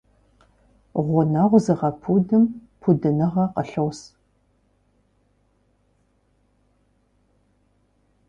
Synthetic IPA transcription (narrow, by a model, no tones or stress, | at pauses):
ʁʷʊnaʁʷzɨʁɐpʰudɨmpʰudɨnɨʁɐqəɬɐws